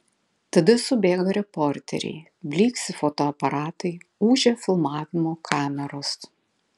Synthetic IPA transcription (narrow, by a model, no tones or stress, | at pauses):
t̪ɐd̪ʲɪsʊbʲeːɡɐɾʲɛpɔɾʲt̪ʲɛ̰ɾʲɛ̰ɪ | bʲlʲiːksʲɪfɔt̪oɐpɐɾɑːt̪ɐɪuːʒʲɛfʲɪlˠmɑːʋʲɪmoːkʰɑːmʲɛɾoːs